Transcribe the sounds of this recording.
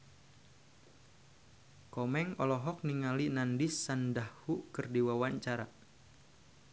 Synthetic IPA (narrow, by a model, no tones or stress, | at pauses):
kɔmɛŋɔlɔɦɔk̚niŋalinandisːandahhuʔkərdiwawaɲt͡ʃaɾa̰